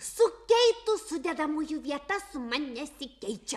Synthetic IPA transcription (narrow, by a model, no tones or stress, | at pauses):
sʊkajt̪ʊsʊʎad̪amʊjʊbjat̪asʊmaɲasɪkajt͡ʃa